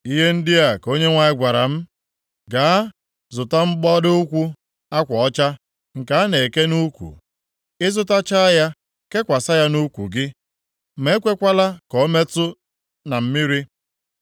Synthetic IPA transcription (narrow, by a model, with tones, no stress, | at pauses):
i˦ɦe˦n̩˦dɪ˦a˨ko˦ɲe˦ŋʷa˨ɪ˦ɡʷa˨ɾa˨m̩˦ | ɡaː˨˦ | zʊ˨ta˦m̩˦ɡ͡bɔ˦dɪ˦ʊ˦kʷu˦ | a˦kʷɔ˨ɔ˦t͡ʃa˦ | ŋ̩˨ka˨a˦ne˨ke˦nu˦kʷṵ˨ | ɪ˦zʊ˦ta˦t͡ʃa˦a˦ja˦ | ke˦kʷa˨sa˦ja˦nu˦kʷṵ˨ɡɪ˦ | me˦kʷe˦kʷa˦la˦kɔ˨˦me˦tʊ˦ | na˨m̩˦mi˦ɾi˦